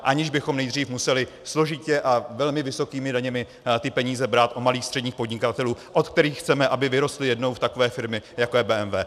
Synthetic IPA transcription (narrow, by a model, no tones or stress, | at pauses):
ʔaɲɪʒbɪxo̞mnɛjd̪r̝iːfmusɛlɪ | slo̞ʒɪcɛʔavɛlmɪvɪso̞kiːmɪdaɲɛmɪ | t̪ɪpɛɲiːzɛbɾaːt̪ʔomaliːxst̪r̥ɛdɲiːxpo̞dɲɪkat̪ɛluːʔot̪k̚t̪ɛɾiːxːt͡sɛmɛʔabɪvɪɾo̞st̪lɪjɛdnowft̪ako̞vɛːfɪɾmɪjakojɛbɛːʔɛmvɛː